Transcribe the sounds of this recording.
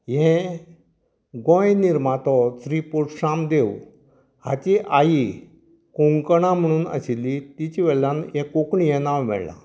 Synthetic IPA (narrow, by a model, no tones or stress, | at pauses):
jɛ̃ | ɡɔ̃jniɾmat̪ɔsɾipuɾʈɕamd̪ew | hat͡ɕiʔaji | koŋkɽ̃ãm̤əɽ̃uːnə̰ɕilːit̪it͡ɕiʋɛɭãnjɛ̃kokɳiɦɛ̃nawʋɛ̰ɭlã̰